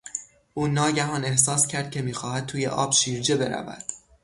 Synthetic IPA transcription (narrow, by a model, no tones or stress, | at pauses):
ʔuːnɒːɟæɦɒːne̞hsɒːscʰæɾd̪̚cʲʰe̞miːxɒːhæd̪̚t̪ʰuːjḛʔɒ̰ːb̥ʃiːɾd͡ʒe̞be̞ɾæ̰væ̰d̪̥